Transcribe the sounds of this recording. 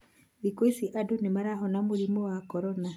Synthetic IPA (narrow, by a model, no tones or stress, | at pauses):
wikesiʔadonemaɾaɦɔnamoɾimɔwakɔɾɔna